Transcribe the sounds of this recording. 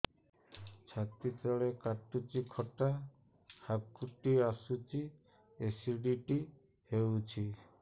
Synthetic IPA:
t͡ʃʰat̪it̪ɔɭekaʈːut͡ʃikʰɔʈa | hab̚kuʈːiasut͡ʃi | esiɖiʈi | hewt͡ʃʰi

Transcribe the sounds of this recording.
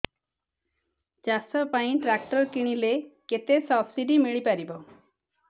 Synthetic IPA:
d͡ʒasɔpaĩʈɾak̚ʈɔɾkiɽ̃ileket̪esɔpʰsiɖimiɭipaɾibɔ

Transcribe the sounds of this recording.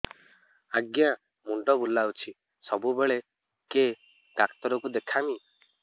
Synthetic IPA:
aɡja | muɳɖɔbulːawt͡ʃʰi | sɔbubeɭe | ke | ɖakt̪ɔɾɔkud̪ekʰami

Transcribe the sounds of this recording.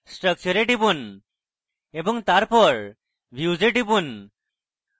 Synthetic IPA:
sʈɾək̚t͡ʃɔɾeʈibun | ebɔŋt̪aɾpɔɾ | bʱjud͡ʒeʈibun

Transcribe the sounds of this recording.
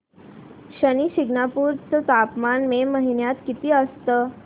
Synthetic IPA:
ɕəniɕiɡnapuɾt͡sət̪apmanmeməɦinjat̪kit̪iːəst̪ə

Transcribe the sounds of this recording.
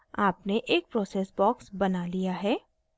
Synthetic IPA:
aːpneʔeːk̚pɾɔːseːsbɔːksbɐnalijaɦɛː

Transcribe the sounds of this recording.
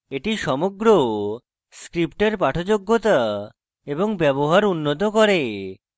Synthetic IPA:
eʈiʃɔmoɡɾo | skɾipʈeɾpaʈʰod͡ʑoɡːot̪a | eboŋbɛboɦaɾunːot̪okoɾe

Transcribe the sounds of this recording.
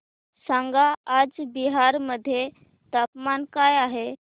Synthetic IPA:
sãŋɡaad͡ʒbiɦaɾməd̪ʱːje | t̪apmankajaɦe

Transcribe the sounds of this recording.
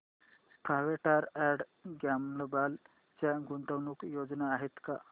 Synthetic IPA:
pʰaʋeʈaɾɛɽɡamləbal | t͡ɕjaɡunt̪əʋnukjod͡znaːɦet̪ka

